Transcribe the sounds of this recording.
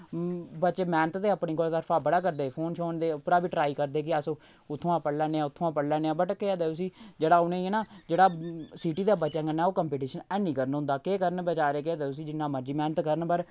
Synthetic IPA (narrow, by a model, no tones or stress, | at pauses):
bət͡ʃeːmɛːnət̪d̪eːəpɳiːkoːlt̪əɾpʰaːbəɽaːk̬əɾd̪eːpʰoːnʃʰoːnd̪eːpʊɾaːbiːʈɾaːiːkəɾd̪eːk̬ɪəsõ | ʊt̪ʰːõːãːpəɽlɛːneːãːʊt̪ʰːõːãːpəɽlɛːneːãːbəʈkeaːd̪eːt̪ʊs̬iːd͡ʒeːɽaːʊnẽːnaːd͡ʒeːɽaːsiːʈiːd̪aːbətːt͡ʃãkənːaːoːkəmpiːʈiːʃənɛːnĩːkəɾənɦʊ̃nd̪aːkeːkəɾənbət͡ʃaːɾeːk̬ɪaːd̪eːʊs̬iːd͡ʒɪnːãːməɾd͡ʒiːmɛːnət̪kəɾənpəɾ